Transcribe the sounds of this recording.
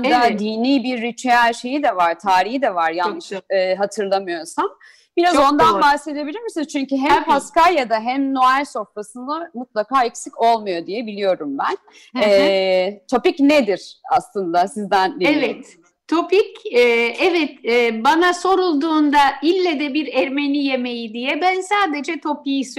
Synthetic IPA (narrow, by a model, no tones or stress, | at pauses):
d̪ad̪iːniːbiɾːit͡ʃʰejælʲʃe̞jid̪ɛvaɾ̥t̪ʰaːɾihid̪ɛvaɾjannːɯʃɦat̪ʰɯɾlˠamɯjo̞sam | biɾazo̞nd̪anbahse̞d̪e̞bilʲiɾmisint͡ʃʰyɲcyɦæmpʰaskajad̪aɦæmno̞ælʲso̞fpasɯnd̪amut̪̚lˠakaːɛcsico̞lˠmujo̞d̪ijɛbilʲijo̞ɾumbæn | ɛt̪ʰo̞picned̪iɾ̥a̰slˠɯnd̪asizd̪ænɛvɛt̪ʰː | o̞picɛːɛvɛt̪ɛːbanaso̞ɾulˠd̪uːnd̪ailʲːed̪ɛbiɾæɾme̞nʲije̞me̞jid̪ijɛbænsaːd̪e̞d͡ʒɛt̪ʰo̞pijis